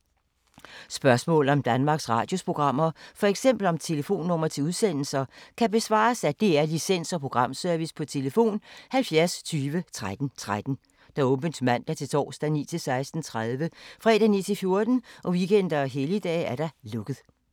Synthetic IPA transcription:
sb̥ɶɐsmɔ̰̽ːl̩ˠɒ̽md̥ænmɑ̈ːɡ̥sʁɑ̰̈ːd̥jo̝spʰʁo̝ɡ̥ʁɑ̈m̰ɐfɒ̽eɡ̥sem̰b̥l̩ɒ̽mt͡sʰe̝ləfo̝̰ːnːɔ̽m̰ɐt͡sʰe̝uðˠsen̰l̩sɐkʰæb̥e̝sʋɑ̰̈ːsæd̥e̝æɐlisen̰sɒ̽pʰʁo̝ɡ̥ʁɑ̈m̰sœɐʋispʰɒ̽t͡sʰe̝ləfo̝̰ːnhælfjæɐst͡sʰyːʋət͡sʰʁad̥n̩t͡sʰʁad̥n̩ | d̥ɑ̈ɔ̽b̥ənsmæn̰d̥ɑɐt͡sʰe̝lt͡sʰɒ̰ːsd̥ænḭːt͡sʰe̝lsɑ̈ɪsd̥n̩t͡sʰʁaðˠʋəfʁɛ̰ːd̥ænḭːt͡sʰe̝lfjo̝ɐd̥n̩ʔɒ̽ʋiɡ̥en̰d̥ɐɦelid̥ɛ̰ːæɐɾ̥ɑlɔ̽ɡ̥ð̩ˠ

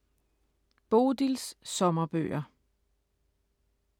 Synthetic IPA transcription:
b̥o̝ːd̥ilssɒ̽mɐb̥ø̰ːɐ

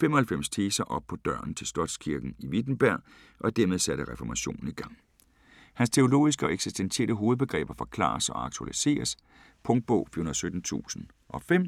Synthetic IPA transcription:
femɒ̽hælfem̰st͡sʰeːsɐʔɒ̽b̥̚pʰɒ̽d̥ɶɐ̰n̩t͡sʰe̝lsd̥ɒ̽d̥skʰiɐɡ̥n̩iʋid̥n̩b̥æɐ̰ | ʔɒ̽d̥æɐmeð̞ˠsæɾ̥əʁɛfɒmæɕo̝̰ːn̩iɡ̥ɑ̈ŋ̰ | hænst͡sʰe̝o̝lo̝̰ːisɡ̥əɒ̽eɡ̥sisd̥ent͡sʰe̝ɐd̥əɦoːð̩ˠb̥e̝ɡ̥ʁɛ̰ːb̥ɐfɒ̽kʰlɑ̰̈ːsɒ̽ɑ̈ɡ̥̚t͡sʰuælise̝̰ːɐs | pʰɔ̽ŋd̥̚b̥ɔʊ̰fyɐhunɐðˠsød̥n̩t͡sʰṵːsn̩ | ʔɒ̽fem̰

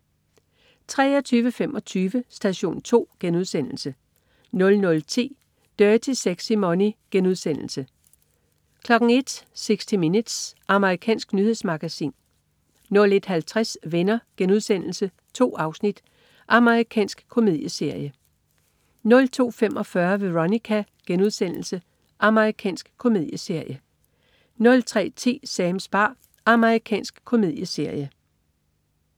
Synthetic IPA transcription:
t͡sʰʁɛːɒt͡sʰyːʋəfem̰ʔɒ̽t͡sʰyːʋəsd̥æɕo̝̰ːnt͡sʰo̝̰ːɡ̥enuð̞ˠsen̰l̩sə | nɔ̽lnɔ̽lt͡sʰḭː | d̥œːt͡sʰe̝seɡ̥simɒniɡ̥enuð̞ˠsen̰l̩sə | kʰlɒ̽ɡ̥ŋ̩e̝d̥seɡ̥sd̥iminud̥sɑ̈məʁikʰɛ̰ːnsɡ̥nyhe̝smɑ̈ɡ̥æsḭːn | nɔ̽le̝d̥hælt͡sʰʁasʋenɐɡ̥enuðˠsen̰l̩sə | t͡sʰo̝̰ːɑ̈ʊsnid̥ | ʔɑ̈məʁikʰɛ̰ːnsɡ̥kʰo̝me̝ð̞̰ˠjəse̝ɐ̰jə | nɔ̽lt͡sʰo̝̰ːfemʔɒ̽fɶɐʋe̝ʁonikʰæ | ɡ̥enuðˠsen̰l̩sə | ʔɑ̈məʁikʰɛ̰ːnsɡ̥kʰo̝me̝ð̞̰ˠjəse̝ɐ̰jə | nɔ̽lt͡sʰʁɛ̰ːt͡sʰe̝̰ːsɛːmsb̥ɑ̈ː | ɑ̈məʁikʰɛ̰ːnsɡ̥kʰo̝me̝ð̰ˠjəse̝ɐ̰jə

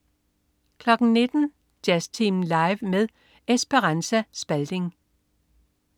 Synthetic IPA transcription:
kʰlɒ̽ɡ̥n̩ne̝d̥n̩ | d̥æst͡sʰimlɑ̈ɪʋmeðˠ | esb̥əʁɑnsæsb̥æld̥e̝ŋ

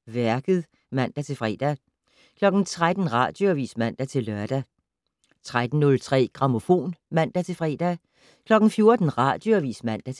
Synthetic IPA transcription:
ʋæɐɡ̥ð̞̩ˠ | mæn̰d̥æt͡sʰe̝fʁɛ̰ːd̥æ | kʰlɒ̽ɡ̥n̩t͡sʰʁad̥n̩ʁɑ̈ːd̥joʋḭːsmæn̰d̥æt͡sʰe̝lːɶɐd̥æ | t͡sʰʁad̥n̩nɔ̽lt͡sʰʁɛ̰ːɡ̥ʁɑ̈mo̝fo̝̰ːnmæn̰d̥æt͡sʰe̝fʁɛ̰ːd̥æ | kʰlɒ̽ɡ̥n̩fjo̝ɐd̥n̩ʁɑ̈d̥joʋḭːsmæn̰d̥æ

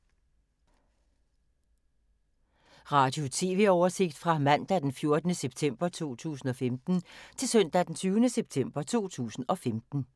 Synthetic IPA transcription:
ʁɑ̈ːd̥jo̝t͡sʰe̝̰ːʋe̝ɒʊɐse̝ɡ̥̚d̥fʁɑ̈mæn̰d̥æd̥enfjo̝ɐd̥nəseb̥t͡sʰem̰b̥ɐt͡sʰo̝̰ːt͡sʰṵːs̬n̩ɒ̽femd̥n̩t͡sʰe̝lsœn̰d̥æd̥ent͡sʰyːʊnəseb̥t͡sʰem̰b̥ɐt͡sʰo̝̰ːt͡sʰṵːsn̩ɒ̽femd̥n̩

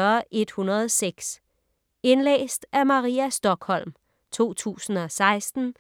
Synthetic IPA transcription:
ɐʔe̝d̥hunɐð̩ˠseɡ̥s | e̝nlḛːsd̥æmɑ̈ʁiːæsd̥ɒ̽ɡ̥hɒ̽l̰m | t͡sʰo̝̰ːt͡sʰṵːsn̩ɒ̽sɑ̈ɪsd̥n̩

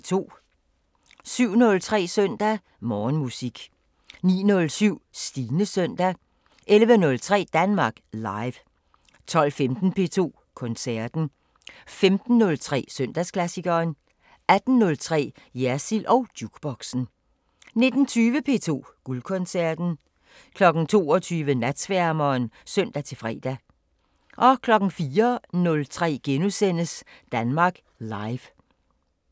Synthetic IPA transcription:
t͡sʰo̝̰ː | syʊ̰nɔ̽lt͡sʰʁɛ̰ːsœn̰d̥æ | mɒːnmusiɡ̥ | nḭːnɔ̽lsyʊ̰sd̥iːnəsøn̰d̥æ | ʔelʋənɔ̽lt͡sʰʁɛ̰ːd̥ænmɑ̈ːɡ̥lɑ̈ɪʋ | t͡sʰɒ̽l̰femd̥n̩pʰe̝̰t͡sʰo̝̰ː | kʰɔ̽nsæɐd̥n̩ | femd̥n̩ːɔ̽lt͡sʰʁɛ̰ːsøn̰d̥æskʰlæsiɡ̥ɐːn | æd̥n̩ːɔ̽lt͡sʰʁɛ̰ː | jæɐsilʔɒ̽ʊd̥juɡ̥b̥ɒ̽ɡ̥sn̩ | ne̝d̥n̩t͡sʰyːʋəpʰe̝̰ːt͡sʰo̝̰ːɡ̥ulkʰɔ̽nsæɐd̥n̩ | kʰlɒ̽ɡ̥n̩t͡sʰo̝̰ːɒt͡sʰyːʋənæd̥sʋæɐmɐːnsøn̰d̥æt͡sʰe̝lfʁɛ̰ːd̥æ | ʔɒ̽kʰlɒ̽ɡ̥n̩fiːɐnɔ̽lt͡sʰʁɛ̰ːɡ̥enusen̰əsd̥ænmɑ̈ːɡ̥ | lɑ̈ɪʋ

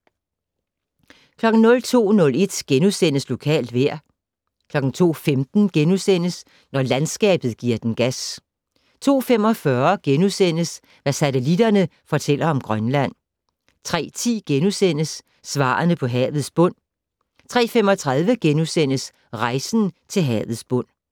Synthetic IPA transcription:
kʰlɒ̽ɡ̥n̩nɔ̽lt͡sʰo̝̰ːnɔ̽le̝d̥ɡ̥enusen̰əslo̝kʰɛ̰ːld̥ʋeɐ̰ | kʰlɒ̽ɡ̥n̩t͡sʰo̝̰ːfemd̥n̩ɡ̥enusen̰əs | nɒlænsɡ̥ɛ̰ːb̥ð̩ˠɡ̥iɐd̥enɡ̥æs | t͡sʰo̝̰ːfemɒ̽fɶɐɡ̥enusen̰əs | ʋæsæt͡sʰelid̥ɐnəfɒ̽t͡sʰel̰ɐɒ̽mɡ̥ʁɶnlæn̰ | t͡sʰʁɛ̰ːt͡sʰḭːɡ̥enusen̰əsː | ʋɑ̰̈ːnəpʰɒ̽ɦɛ̰ːðð̩ˠsb̥ɔ̽n̰ | t͡sʰʁɛ̰ːfemɒ̽t͡sʰʁɑ̈ð̞ˠʋəɡ̥enusen̰əs | ʁɑ̈ɪsn̩t͡sʰe̝lɦɛ̰ːðð̩ˠsb̥ɔ̽n̰

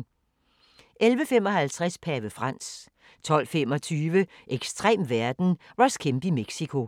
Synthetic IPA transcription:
ʔelʋəfem̰ɒ̽hælt͡sʰʁɛspʰæʋəfʁɑ̈n̰s | t͡sʰɒ̽l̰femɒ̽t͡sʰyːʋəʔeɡ̥sd̥ʁḛːmʋæɐd̥n̩ʋɑ̈skʰemb̥imeɡ̥sikʰo̝

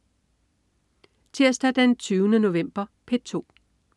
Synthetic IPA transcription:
t͡sʰiɐ̰sd̥æd̥ænt͡sʰyːʊnəno̝ʋem̰b̥ɐpʰed̥̚t͡sʰo̝̰ː

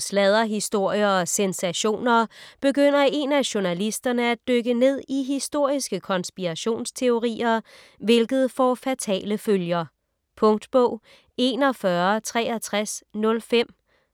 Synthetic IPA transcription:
slɛð̞ˠɐɦisd̥o̝ɐ̰jɐ̽ːsensæɕo̝̰ːnɐb̥e̝ɡ̥øn̰ɐe̝næɕonælisd̥ɐnəæd̥øɡ̥əne̝ð̰ˠiɦisd̥o̝ɐ̰isɡ̥əkʰɒ̽nsb̥iʁaɕo̝̰ːnst͡sʰe̝o̝ʁḭːɐ | ʋe̝lɡ̥ð̞̩ˠfɒfæt͡sʰɛ̰ːləføljɐ | pʰɔ̽ŋd̥b̥ɔʊ̰ | e̝nɒ̽fɶɐt͡sʰʁɛ̰ːɒt͡sʰʁasnɔ̽lfem̰

